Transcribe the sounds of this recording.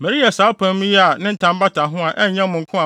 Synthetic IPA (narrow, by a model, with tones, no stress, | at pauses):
mɛ˨ɾi˦ja˨saː˨˦pʰã˨˦mĩ˦jɛ˦a˨nɪ̃˦n̩˦tʰã˨m˦ba˦tʰã˨ɦʊ̃˦a˨ʔɛ˦ɲ˨ɲã˦mʊ̃˨ŋ̩˦kʰʊ̃˦a˨